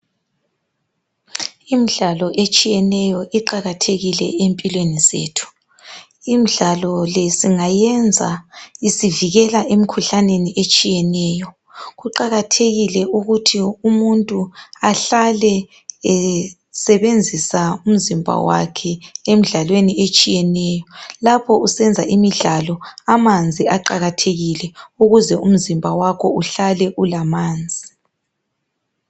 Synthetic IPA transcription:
imiɮalɔʔet͡ʃʼijɛnɛjɔʔiǃaɣatʰeɣilɛ̰empʼilwenizḛːtʰu̥ | imiɮalɔlɛsiŋajɛnd͡zʱa̰isiviɣɛlaʔemikʰuɬaneniʔet͡ʃʼijɛnɛːjɔ | ɣuǃaɣatʰeɣilɛuɣutʰiumuntʼuaɬalɛ | ɛ | sɛβend͡zʱisaum̩zimbʱa̰wa̰kʰɛem̩ɮalweniet͡ʃʼijɛnɛːjɔlapʰɔusɛnd͡zʱa̰ʔimiɮalɔamand͡zʱiaǃaɣatʰeɣilɛuɣuzɛʔum̩zimbʱawakʰɔuɬalɛʔulamaːnd͡zʱi

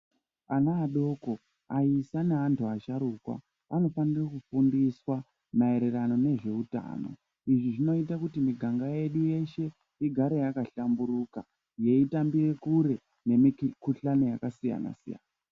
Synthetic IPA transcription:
anaːɗo̞ko̞ | aisaneantuaʃaɾukwa̰ | ano̞fanirakufundiswa | mae̞ɾe̞rano̞ne̞ʐe̞uta̰ːno̞̰ | iʐiʐino̞itakutimiɡʱaŋɡaje̞ɗuje̞ʃe̞ | iɡʱaɾe̞jakaɬambuɾuːka | je̞itambire̞kuɾe̞ | ne̞mikuɬano̞jakasija̰na̰sija̰ːna

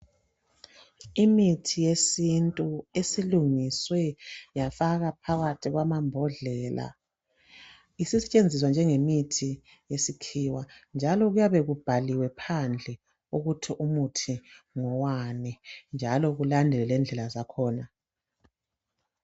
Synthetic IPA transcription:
imitʰijesintʼuesiluŋiswɛjafaɣapʰaɣatʰiɣwamambʱɔɮɛla̰ | isisɛt͡ʃʼend͡zʱis̬wand͡ʒʱɛŋemitʰi | jesikʰiwand͡ʒʱalɔɣujaβɛɣub̥ʱaliwɛpʰand͡ɮʱɛ | uɣutʰiʔumutʰiŋɔwanɛnd͡ʒʱalɔɣulandʱɛlɛlɛnd͡ɮʱɛlazakʰɔːna

